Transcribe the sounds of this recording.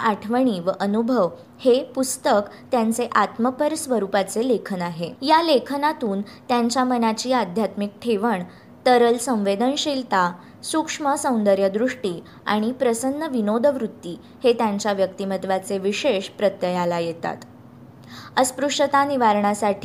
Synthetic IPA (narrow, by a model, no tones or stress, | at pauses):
aʈʰʋəɳiːʋəʔənubʱəʋ | hepust̪əkt̪jant͡seʔat̪məpəɾsʋəɾupat͡selekʰənaɦejalekʰnat̪uːnt̪jaɲt͡ɕjamənat͡ɕiːad̪ʱjat̪mik̚ʈʰeʋəɳ | t̪əɾəlsə̃w̃ʋed̪ənɕilt̪a | sukʂməsə̃w̃nd̪əɾjəd̪ɾuʂʈiː | a̰ɽ̃ipɾəsənːəʋinod̪ʱəʋɾut̪ːiː | het̪jaɲt͡ɕjaʋjəkt̪imət̪ʋat͡seʋiɕeɕpɾət̪jəjalajet̪a̰t̪ | əspɾuʂʈət̪aniʋaɾɳasaʈʰi